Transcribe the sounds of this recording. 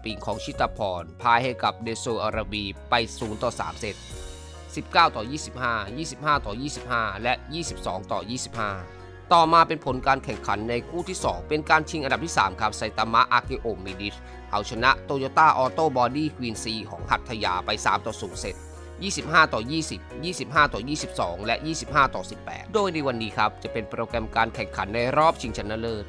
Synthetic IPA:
pi˨˩˦ŋkʰɔː˩˦ŋt͡ɕʰi˦˥t̪a˧pʰɔː˧˩npʰaː˧jha˥˩jka˨˩p̚neː˧soː˧ʔaː˧ɾa˧biː˧pa˧jsuː˩˦nt̪ɔː˨˩sa̰ː˩˦mse˨˩t̪̚ | si˨˩p̚kaː˥˩wt̪ɔː˨˩jiː˥˩si˨˩p̚haː˥˩jiː˥˩si˨˩p̚haː˥˩t̪ɔː˨˩jiː˥˩si˨˩p̚haː˥˩lɛ˦˥ʔjiː˥˩si˨˩p̚sɔː˩˦ŋt̪ɔː˨˩jiː˥˩si˨˩p̚haː˥˩ | t̪ɔː˨˩maː˧pe˧npʰo˩˦nkaː˧nkʰɛ˨˩ŋkʰa˩˦nːa˧jkʰuː˥˩t̪ʰiː˥˩sɔ̰ː˩˦ŋpe˧nkaː˧nt͡ɕʰi˧ŋʔa˧nda˨˩t̪ʰiː˥˩sa̰ː˩˦mkʰa˦˥p̚sa˨˧˦jt̪aː˧ma˦˥ʔa˧keː˧ʔoː˨˩miː˧di˦˥t̚ | ʔa˨˩wt͡ɕʰa˧na˦˥ʔt̪oː˧joː˧t̪aː˥˩ʔɔː˧t̪oː˥˩bɔː˧diː˥˩kʰwiː˧nsiː˧˩kʰɔ̰ː˩˦ŋɦa˨˩t̪ʰːa˧ja̰ː˧pa˧jsa̰ː˩˦mt̪ɔː˨˩suː˨˩˦ŋse˨˩t̪̚ | jiː˥˩si˨˩p̚haː˥˩t̪ɔː˨˩jiː˥˩si˨˩p̚jiː˥˩si˨˩p̚ɦaː˥˩t̪ɔː˨˩jiː˥˩si˨˩p̚sɔ̰ː˩˦ŋlɛ˦˥ʔjiː˥˩si˨˩p̚haː˥˩t̪ɔː˨˩si˨˩pːɛ̰ː˨˩t̪̚doː˧˩jna˧jwa˧nːiː˦˥kʰa˦˥p̚t͡ɕa˨˩ʔpe˧npɾoː˧kɾɛ˧mkaː˧nkʰɛ˨˩ŋkʰa˩˦nːa˧jɾɔː˥˩p̚t͡ɕʰi˧ŋt͡ɕʰa˦˥nːa˦˧˥nlɤː˥˩j

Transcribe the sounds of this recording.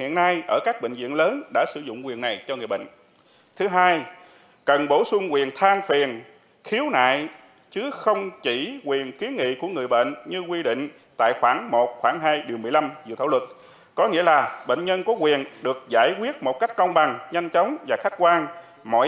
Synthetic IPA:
hḭ˧˨əna˧jʔəː˧˩kaː˦˥k̚ɓə̰˧˨ŋ̟zḭ˧˨ənləː˨˦nɗa̰ː˧˥sɨ˧˩zʊ̰˧˨ŋ͡mkwi˨˩əna˨˩jt͡ɕɔ˧ŋɨ˨˩jɓə̰˧˨ŋ̟ | t̪ʰɨ˨˦ɦaː˧j | kə˨˩nɓo˧˩sʊ˧ŋ͡mkwi˨˩ənt̪ʰaː˧ŋfi˨˩ən | xi˨˦əwna̰ː˧˨j | t͡ɕɨ˨˦xə˧wŋ͡mt͡ɕi˧˩kwi˨˩ənki˨˦ənŋḭ˧˨ku˧˩əŋɨ˨˩əjɓə̰˧˨ŋɲɨ˧kwi˧ɗḭ̈˧˨ŋ̟ | t̪a̰ː˧˨jxwaː˧˩ŋmo˨˩t̚xwaː˧˩ŋɦaː˧jɗi˨˩əwmɨ˨˩əjla˧mzɨ̰˧˨t̪ʰaː˧˩wə˨˩t̚ | kɔ˨˦ŋḭ˧˥əlaː˨˩ɓə̰˧˨ŋ̟ɲə˧nkɔ˨˦kwi˨˩ənɗɨ˨˩ək̚zaː˧˩jkwi˦˥ət̚mo˨˩t̚ka˦˥jk̟̚kɔ˧wŋ͡mɓa˨˩ŋɲa˧jŋ̟t͡ɕə˨˦wŋ͡mvaː˨˩xa˦˥jk̟̚kwaː˧n | mɔ̰˧˨

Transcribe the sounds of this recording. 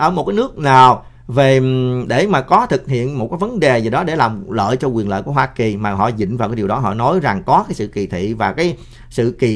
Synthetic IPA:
ʔəː˧˩mo˨˩t̚kaː˨˦jnɨ˦˥ək̚naː˨˩w | ve˨˩ɗe˧˩maː˨˩kɔ˨˦t̪ʰɨ˨˩k̚ɦḭ˧˨ənmo˨˩t̚kaː˨˦jvə˨˦nɗe˨˩zi˨˩ɗɔ˨˦ɗe˧˩laː˨˩mlə̰ː˧˨jt͡ɕɔ˧kwi˨˩ənlə̰ː˧˨ku˧˩əɦwaː˧ki˨˩maː˨˩ɦɔ̰˧˨zḭ̈˧˨ŋ̟vaː˨˩wkːaː˨˦ɗi˨˩wɗɔ˨˦ɦɔ̰˧˨nɔ˨˦jza˨˩ŋkɔ˨˦kaː˨˦jsɨ̰˧˨ki˨˩t̪ʰḭ˧˨vaː˨˩kaː˨˦j | sɨ̰˧˨ki˨˩

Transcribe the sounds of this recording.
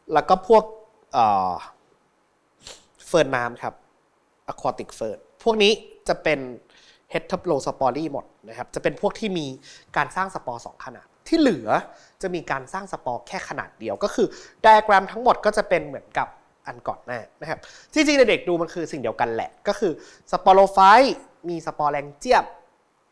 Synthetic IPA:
lɛː˦˥wkɔː˥˩pʰu˥˩ək̚ | ʔɤː˨˩ | fɤː˧nːaː˦˥mkʰa˦˥p̚ | ʔa˧kʰɔː˧t̪i˨˩k̚fɤː˧npʰu˥˩ək̚niː˦˥t͡ɕa˨˩pe˧n | he˦˥t̪ʰːɤ˦˥p̚loː˧sa˧pɔː˧liː˥˩mo̰˨˩t̪̚na˦˥kʰa˦˥p̚t͡ɕa˨˩pe˧npʰu˥˩ək̚t̪ʰiː˥˩miː˧kaː˧nsaː˥˩ŋsa˧pɔː˧sɔ̰ː˩˦ŋkʰa˧na̰ː˨˩t̪ʰːiː˥˩lɯ˨˩˦ɐ | t͡ɕa˨˩ʔmiː˧kaː˧nsaː˥˩ŋsa˧pɔː˧kʰɛː˥˩kʰa˧na̰ː˨˩t̪̚di˧əwkɔː˥˩kʰɯː˧da˧jkɾɛː˧mt̪ʰa˦˥ŋmo˨˩t̪̚kɔː˥˩t͡ɕa˨˩pe˧nmɯ˩˦ənka˨˩p̚ | ʔa˧nkɔ̰ː˨˩nːaː˥˩na˦˥kʰa˦˥p̚ | t͡ɕi˧ŋt͡ɕi˧ŋda˧˩de˨˩k̚duː˧ma˧nkʰɯː˧si˨˩ŋdi˧əwka˧nlɛ̰˨˩kɔː˥˩kʰɯː˧ | sa˧pɔː˧loː˧faː˦˥j | miː˧sa˧pɔː˧lɛː˧ŋt͡ɕi˥˩əp̚

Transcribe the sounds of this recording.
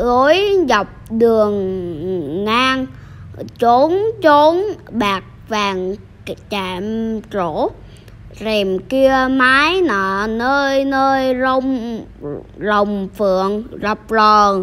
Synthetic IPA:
ʔɔ˧˨˦jza˨˩wk͡p̚ɗɨ˨˩əŋː | aː˧ŋ | t͡ɕo˨˦nt͡ɕo˨˦nɓaː˨˩k̚vaː˨˩ŋ | t͡ɕaː˧˨˩mt͡ɕo˧˩˦ | zɛ˨˩mki˧əmaː˨˦jnɔ˨˩nəː˧jnəː˧jzə˧wŋ͡m | zə˨˩wŋ͡mfɨ˨əŋza˨˩p̚lɔː˨˩ŋ

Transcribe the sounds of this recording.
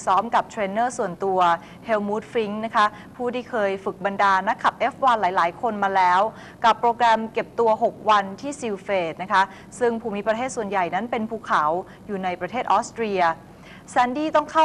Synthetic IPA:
sɔː˦˥mka˨˩p̚t̪ʰɾeː˧nːɤː˥˩su˨˩ənt̪u˧ɐ | he˧wmuː˦˥t̪̚fi˦˥ŋna˦˥kʰa˦˥ʔ | pʰuː˥˩t̪ʰiː˥˩kʰɤː˧jfɯ˨˩k̚ba˧ndaː˧na˦˥kʰːa˨˩p̚ʔeː˦˥fwaː˧nlaː˩˦jlaː˩˦jkʰo˧nmaː˧lɛː˦˥w | ka˨˩pːɾoː˧kɾɛ˧mke˨˩p̚t̪u˧ɐɦo˨˩k̚wa˧nt̪ʰiː˥˩si˧wfeː˨˩t̪̚na˦˥kʰa˦˥ʔ | sɯ˥˩ŋpʰuː˧mi˦˥pɾa˧t̪ʰeː˥˩t̪̚su˨˩ənja˨˩jna˦˥npe˧npʰuː˧kʰa˩˦w | juː˨˩na˧jpɾa˧t̪ʰeː˥˩t̪ʔɔː˦˥st̪ɾi˧ɐ | sɛː˧˥ndiː˥˩t̪ɔ˥˩ŋkʰa˥˩

